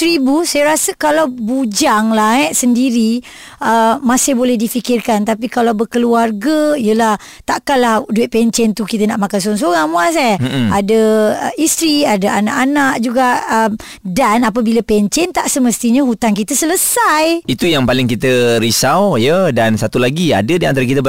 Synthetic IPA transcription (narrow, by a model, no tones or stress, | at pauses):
t̪ɾibusajaɾasəkalawbud͡ʒaŋlaɛʔsəndiɾi | əmãsɪbolɛhdifikɪrkant̪ap̬ikalawbərkəluarɡəijəlah | t̪aʔkanlahduɪʔ̪̚pɛɲt͡ʃɛnt̪ukit̪ənaʔmakans̬oaŋs̬oɣaŋmũas̬aj̩adəist̪ɾiadaana̰ʔanaʔd͡ʒuɡaʔəm | danap̬abilapɛɲt͡ʃɛnt̪aʔsəməst̪iɲəɦut̪ankit̪əsələsajit̪ujaŋpalɪŋkit̪əɾisawjədansat̪ulaɡia̰dədiant̪aɾakit̪əb